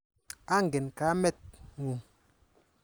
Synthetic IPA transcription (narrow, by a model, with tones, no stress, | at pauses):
a˦ŋ˨ɡe˨nka˨˦mɛ˦t̚ŋu˨